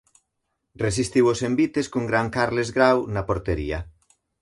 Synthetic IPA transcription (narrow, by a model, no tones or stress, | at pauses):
res̬ist̪iwosembit̪eskuŋɡɾaŋkaɾlezɣɾawnapoɾt̪eɾḭa